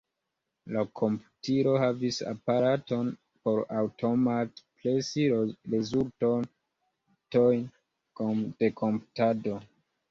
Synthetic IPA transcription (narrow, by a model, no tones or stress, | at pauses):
lakʰo̞mputiɾo̞havisa̰paɾaton | po̞ɾawtʰo̞matplesiɾezulton | tojn | kod̥e̞kʰo̞mpu̥tado̞